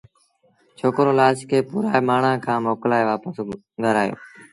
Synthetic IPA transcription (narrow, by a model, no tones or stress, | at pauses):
t͡ʃʰoːkɾoːlaːskʰeːpuːɾaːemaːɳ̤ãːkʰãːmoːklaːeʋaːpəs | ɡʱəɾaːjo̰ː